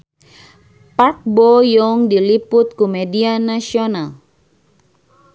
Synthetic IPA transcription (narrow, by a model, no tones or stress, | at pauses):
park̚bɔjɔŋdilipʊt̪̚kumɛdianasiɔnal